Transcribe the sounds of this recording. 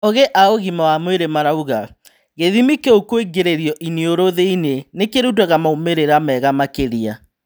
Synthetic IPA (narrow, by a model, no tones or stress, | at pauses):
oɣeʔaoɣimawamweɾemaɾauɣa | ɣeðimikeokweɡeɾeɾjɔʔinioɾoðeinenekeɾudɛɣamaomeɾeɾamɛɣamakeɾia